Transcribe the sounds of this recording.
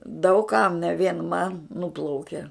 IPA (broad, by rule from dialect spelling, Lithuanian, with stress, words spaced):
dɐʊk kɐm nʲɛ ʋʲiɛn mɐn ˈnuːplˠɐʊkʲɛ